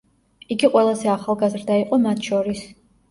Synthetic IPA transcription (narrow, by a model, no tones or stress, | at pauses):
iɡiqʼwɛlˠazɛaχalˠɡazɾd̪aiqʼɔmat̪ʰʃɔɾis